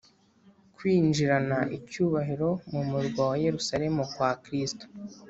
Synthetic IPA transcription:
kwiːnd͡ʒiɾanaʔicuːβaɦiɾo̞mumuɾɡwawaje̞ɾusaɾe̞mokwaːkɾisto̥

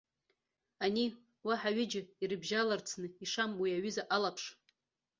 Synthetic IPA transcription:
ani | waħaɥɪd͡ʒɪirɨbʒalart͡sʰnɨiʂamwiaɥʏzaʔalapʰʂ

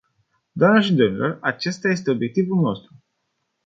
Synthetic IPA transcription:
d̪oamnaʃid̪omilo̞rat͡ʃe̞st̪aje̞s̬t̪e̞o̞bje̞k̚t̪ivulno̞st̪ɾu

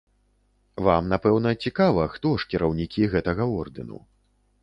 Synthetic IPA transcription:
vamnapɛwnɐt͡sʲikavɐxt̪ɔʂkʲiɾɐwnʲikʲiɣɛt̪ɐɣɐɔrd̪ɨnṵ

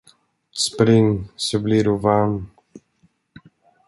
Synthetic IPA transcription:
spɾɪŋsɔbliɾuvaɾm

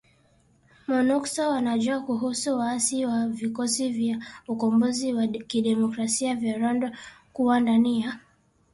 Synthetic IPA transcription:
mɔnɔksɔwanaʄuakuɦusuwaasiwavikɔsivjaukɔmbɔziwakiɗɛmɔkɾasiavjaɾɔndɔkuwandania

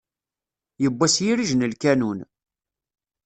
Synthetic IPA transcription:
jəbʷːæsjiɾiʒnəlkænun

